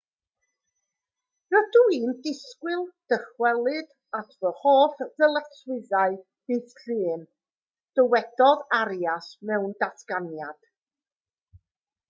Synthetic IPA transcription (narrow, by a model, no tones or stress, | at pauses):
rəduiːndɪskwɪlˠd̥əχwɛlˠɨd̥ | advəhoːθðəlˠəθswɪðaɨ | b̥ɨːθɬɨːn | d̥əwɛd̥ɔðaɾjasmɛwndatʰɡ̥anjad̥